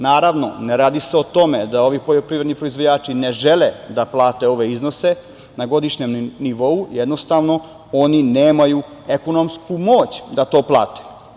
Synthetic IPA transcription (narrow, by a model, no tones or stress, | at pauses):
naːɾaʋno̞neɾaːd̪iseot̪o̞med̪ao̞ʋipo̞ʎopɾiʋɾed̪nipɾoizʋo̞d͡ʑaːt͡ʃineʒeled̪aplˠaːt̪e̞o̞ʋe̞izno̞se̞ | naɡo̞d̪iʃɲemniʋo̞ujed̪no̞st̪aʋno̞ | o̞nineːmaju | eko̞no̞mskumoːt͡ɕd̪at̪o̞ːplˠa̰ːt̪e̥